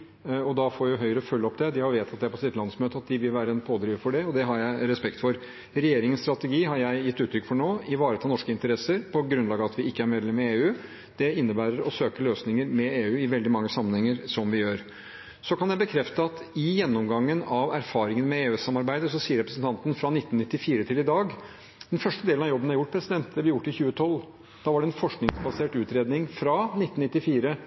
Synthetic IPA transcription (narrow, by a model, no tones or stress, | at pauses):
ɔd̪ɑfoːjʊɦœʏəɾəfœlːɔpd̪ɛd̪ɪhɑɾʋeːt̪ʰɑt̪̚d̪ɛæɾpɔsɪt̪lɑnsmøːt̪əɑt̪̚d̪ɪʋɪlʋæːɾəɛnpʰoːd̪ɾiːʋfɔɖɛɔd̪ɛɦɑɾjæɪɾɛspɛkt̪fɔɾ | ɾɛjeːɾɪŋənst̪ɾɑt̪əɡiːɦɑɾjæɪjɪt̪ːʉːt̪ɾʏkfɔɳoːɪʋɑːɾət̪ʰɑːnɔʂkəɪnt̪əɾɛsəɾpʰɔɡɾʉnlɑːɡəɑt̪ʋɪɪkːəæɾmɛːd̪lɛmːmɛeːʉː | d̪̥ɛɪnːəbæːɾəɾɔsøːkəløːsnɪŋəɾmɛeːʉːɪʋɛld̪ɪmɑŋːəsɑmːənhɛŋːəɾsɔmʋɪjøːɾ | sɔkɑnjæɪbəkʰɾɛft̪əɑt̪ɪjɛnːɔmɡɑŋːənɑʋæɾfɑːɾɪŋənmɛeːʉːsɑmːɑɾbæɪd̪əsɔsiːəɾɛpɾəsənt̪ɑnt̪ənfɾɑnɪt̪ːnɪt̪ːɪfiːɾət̪ʰɪlɪd̪ɑːɡ | d̪̥ɛnfœʂʈəd̪eːlənɑjɔbːənæɾjʊʈ̚ːpʰɾɛsɪd̪ɛnt̪̚d̪ɛblɪjʊʈːɪçʉːət̪ʰɔlː | d̪̥ɑːʋɑɖɛɛnfɔʂknɪŋsbɑseːʈʉːt̪ɾeːd̪nɪŋfɾɑnɪt̪ːn̩ɪt̪ːɪfiːɾə